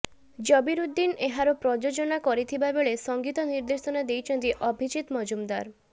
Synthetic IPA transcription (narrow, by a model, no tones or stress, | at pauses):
d͡ʒɔbiɾud̪ːineɦaɾɔpɾɔd͡ʒod͡ʒɔnakɔɾit̪ʰibabeɭesɔŋɡit̪ɔniɾd̪esɔnad̪ejt͡ʃʰɔnt̪iʔɔbʱit͡ʃit̪mɔd͡ʒumd̪aɾ